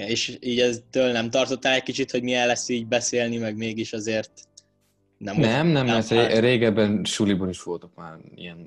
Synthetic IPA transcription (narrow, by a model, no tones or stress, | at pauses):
eːʃiːɟɛt̪øːlnɛmt̪ɒrt̪ot̪ːaːlɛc̚kit͡ʃit̪ho̞ɟmiɛlːɛsːiːɟ̚bɛseːlnimɛɡmeːɡiʃɒzeːrt̪̚ | nɛmnɛmnɛmːɛrt̪ɛɾeːɡɛbːɛnʃuliboniʃʋo̞lt̪okmaːrḭjɛn